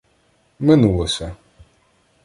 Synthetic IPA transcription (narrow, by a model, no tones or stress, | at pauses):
mɛnuwɔsa